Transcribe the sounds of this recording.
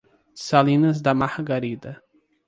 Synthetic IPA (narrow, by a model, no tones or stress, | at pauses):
salĩnɐzd̪ɐmahɡaɾid̪ɐ